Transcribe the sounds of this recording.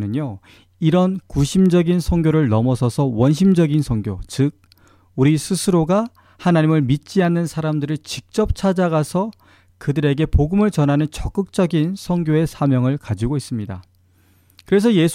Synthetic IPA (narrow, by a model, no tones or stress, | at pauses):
nɯɲo | iɾʌnkuɕʰimd͡ʑʌɡinsʰʌŋɡjoɾɯɭnʌmʌsʰʌsʰʌwʌnɕʰimd͡ʑʌɡinsʰʌŋɡjot͡ɕɯk̚ | uɾisʰusʰɯɾoɡa | hanaɲimɯɭmit̚t͡ɕ͈ianːɯnsʰaɾamdɯɾiɭt͡ɕik̚t͡ɕ͈ʌp̚t͡ɕʰad͡ʑaɣasʰʌ | kɯdɯɾe̞ɡe̞poɡɯmɯɭt͡ɕʌnɦanɯnt͡ɕʌk͈ɯk̚t͡ɕ͈ʌɡinsʰʌŋɡjoe̞sʰamjʌŋɯɭkad͡ʑiɡois͈ɯmɲida̰ | kɯɾe̞s̬ʰʌje̞sʰ